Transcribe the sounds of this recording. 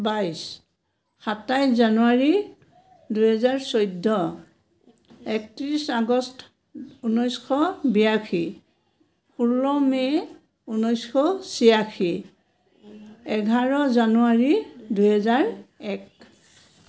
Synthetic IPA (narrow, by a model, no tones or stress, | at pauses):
bajs | xatajzanuaɹi | duɦɛzaɹsɔjdʱːɔ | ɛk̚tiɹisaɡɔst | unɔjskʰɔbijakʰi | pulɔmɛ | unɔjskʰɔsiakʰi | ɛɡʱaɹɔzanuaɹiduɦɛzaɹɛk̚